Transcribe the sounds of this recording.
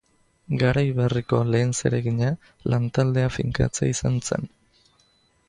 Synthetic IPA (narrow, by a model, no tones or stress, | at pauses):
ɡaɾajβeriko̞le̞ːnse̞̰ɾe̞ɣiɲa | lʔant̪ald̪e̞afiŋka̰t͡sḛisanse̞̰n